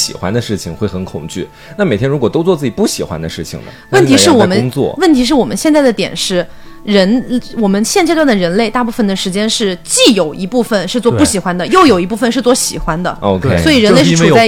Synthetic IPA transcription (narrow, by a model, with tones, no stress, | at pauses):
ɕḭ˨˩xwa̰˥nd̪ə˧ʂɻ̩˥˩t͡ɕʰi˨˩ŋxwe˥˩ɪxə˧˥nkʰʊ̰˨˩ŋt͡ɕy̰˥˩ | na˥˩me˨˩ɪt̪jnɻu˧˥kwɔ˨˩t̪o˥ʊt͡swɔ˥˧t͡sɹ̩˥˩t͡ɕi˨˩pu˥˩ɕi˨˩xwa̰˥nd̪ə˧ʂɻ̩˥˩t͡ɕʰḭ˩ŋnə̰˩wə˥˩nt̪ʰi˧˥ʂɻ̩˥˩wɔ˨˩mə˦n˥ŋt͡swɔ̰˥˩wə˥˩nt̪ʰi˥ʂ̬ɻ̩˥˩wɔ˨˩mə˦nɕjɛ˥˧nt͡sa˥˩ɪd̪ə˩t̪jɛ̰˨˩nʂɻ̩˥˩ | ɻə˧˥nwɔ˨˩mə˦nɕjɛ˥˧nt͡ɕɛ˥˧t̪wnd̪ə˩ɻə˧˥nle˥˧ɪt̪a˥˧pu˥˩fə˩nd̪ə˩ʂɻ̩˧˥t͡ɕjɛ˥nʂɻ̩˥˧t͡ɕi˥˩jo˨˩ʊi˧˥pu˥˩fə˩nʂɻ̩˥˧t͡swɔ˥˧ppu˥˩ɕi˨˩xwa˥nd̪ə˨jo˥˩ʊjo˨˩ʊi˧˥pu˥˩fə˧nʂɻ̩˥˧t͡swɔ˥˩ɕḭ˨˩xwa˥nd̪ə̰˨o˧ʊkʰe˥swɔ˧˥i˨˩ɻə˥n˧le˥˧ɪ˥˨˧t͡sa˥˩